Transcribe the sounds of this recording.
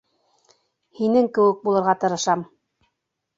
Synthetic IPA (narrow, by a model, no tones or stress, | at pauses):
hinɘŋkɘ̆wɘk̚bulˠɤ̆ɾʁɑt̪ɤ̆ɾɤ̆ʃɑm